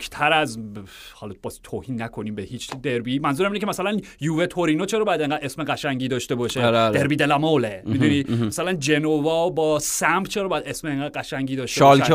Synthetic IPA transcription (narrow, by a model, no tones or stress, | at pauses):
kʰt̪ʰæɾæz | hɒlɒb̥ɒzt̪ʰoːhiːnːækʰo̞niːmbehiːt͡ʃd̪eɾbimænzuɾæminekʰemæsælænjuːvet̪ʰoɾinot͡ʃʰeɾɒːbɒjæd̪e̞ŋɢæd̪esmeʁæʃæŋɟiːd̪ɒːʃt̪e̞bɒːʃeeɾbiːd̪elæmolemid̪unimæsælænd͡ʒenovɒːbɒːsæmbt͡ʃʰeɾɒbɒjæd̪esmeeŋɡæːd̪̚ɢæʃæŋɟiːd̪ɒːʃeɒl